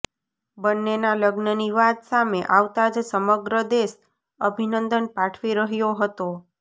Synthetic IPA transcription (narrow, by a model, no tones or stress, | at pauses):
bənːenaləɡnəniʋad̪sameʔaʋt̪ad͡ʒsəməɡɾəd̪eʃ | əbʱinənd̪ənpaʈʰʋiɾəɦjoɦət̪o